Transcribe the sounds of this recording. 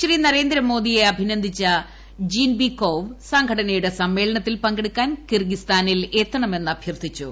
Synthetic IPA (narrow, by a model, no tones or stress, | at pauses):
ɕriːnɐre̞ːnd̪ɾɐmo̞ːd̪ijeɐbʱinɐnd̪ʱit͡ɕːɐ | d͡ʑiːnbikːoːʋsɐŋɡʱɐɽɐnɐjuɽesɐmːe̞ːɭɐɳɐt̪ːilpɐŋɡeɽukʲːaːnkirɡist̪aːnile̞ːt̪ːɐɳɐme̞nːɐbʱjɐrt̪ʰit͡ɕːṵ